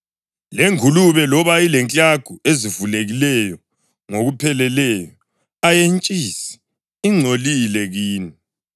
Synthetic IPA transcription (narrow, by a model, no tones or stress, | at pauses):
leŋʱuluβɛlɔβailɛnt͡ɬʼaɡ̥ʱuezivuleɣilɛjɔ | ŋoɣupʰɛlɛlɛjɔ | ajent͡ʃʼisi̥ | iŋ͡ǀʱolilɛɣiːni